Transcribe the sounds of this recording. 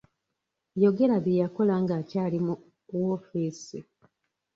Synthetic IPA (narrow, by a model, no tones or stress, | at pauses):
jo̞ɡe̞ɾaβjejako̞laŋɡaːcaːlimu | wofiːsi